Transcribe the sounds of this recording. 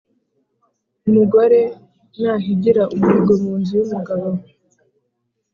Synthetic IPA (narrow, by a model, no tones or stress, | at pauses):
umuɡo̞ɾe̞ | naːɦiɟiɾaʔumiɡomuːnzuwumuɡaβo